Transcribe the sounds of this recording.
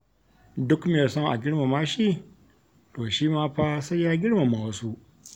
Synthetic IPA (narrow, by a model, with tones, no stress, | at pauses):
dʊ˦kmɪ˨ɐ˨sɔ˦ŋʔa̰˨ɡʲɪ˦ɽma˨maː˦ʃiː˦ | toː˨ʃiː˦maː˦ɸaː˦sɐ˦jaː˦ɡʲɪ˦ɽma˨maː˨wsu˦ʔ